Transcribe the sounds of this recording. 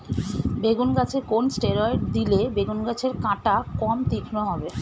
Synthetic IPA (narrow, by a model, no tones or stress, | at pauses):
beɡunɡat͡ɕʰekonsʈeɾɔeʈd̪ilebeɡunɡat͡ɕʰeɾkãʈakɔmt̪ikʰnoɦɔbe